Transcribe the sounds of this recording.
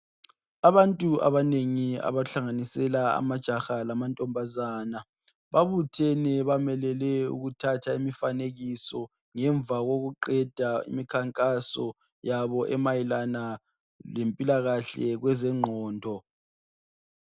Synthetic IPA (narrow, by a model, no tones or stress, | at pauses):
aβantʼua̰βaneŋia̰βaɬaŋanisɛlaa̰mad̥ʒ̥ʱaxalamantʼɔmbʱazaːna | βaβutʰɛnɛβamɛlɛlɛṵɣutʰatʰaimifaneɣisɔ | ŋɛɱvaɣoɣuǃɛd̥ʱaḭmikʰaŋkʼasɔ | jaβɔʔɛmajilana | lempʼilaɣaɬɛ̰ɣwɛzɛŋ͡ǃʱɔːndʱɔ